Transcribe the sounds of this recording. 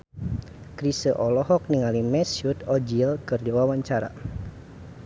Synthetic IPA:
kɾisəʔɔlɔhɔk̚niŋalimɛsjut̪ɔd͡ʒilkɨrdiwawaɲt͡ʃaɾa̰

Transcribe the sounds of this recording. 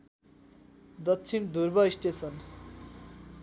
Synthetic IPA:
d̪ʌtːt͡sʰind̪urbʌisʈesʌn

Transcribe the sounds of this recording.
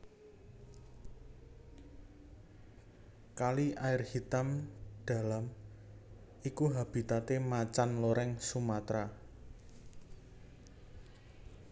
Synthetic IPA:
kaliʔaɪrhit̪amd̪̥a̤lam | ikuɦab̥i̤t̪at̪emat͡ʃanloɾɛŋsumat̪ɾa

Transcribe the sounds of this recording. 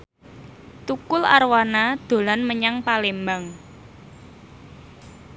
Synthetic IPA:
t̪ukʊla̰rwanad̪̥o̤lanməɲaŋpalembaŋ

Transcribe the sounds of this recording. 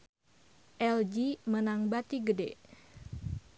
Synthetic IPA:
ʔɛld͡ʒimənaŋbat̪iɡəde

